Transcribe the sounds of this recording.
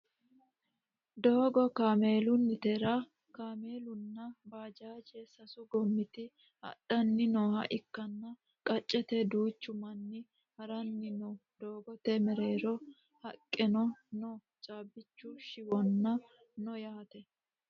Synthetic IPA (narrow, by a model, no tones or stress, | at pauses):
d̪o̞ːɡɔkaːme̞ːlʊnːɪt̪ɛɾa | kaːme̞ːlʊnːɐbaːd͡ʒaːd͡ʒesɐsʊɡɔmːɪt̪ɪ | hɐ̰ɗɐnːɪnɔːhɐ̰ʔɪkːɐnːɐ | kʼɐt͡ʃʼːɛt̪ɛd̪uːt͡ʃːʊmɐnːɪ | hɐɾɐnːɪnɔd̪oːɡɔt̪ɛmɛɾe̞ːɾɔ | hɐkʼːɛnɔnɔ | t͡ʃʼaːbːɪt͡ʃːuʃɪwɔnːɐ | nɔjaːt̪ɛ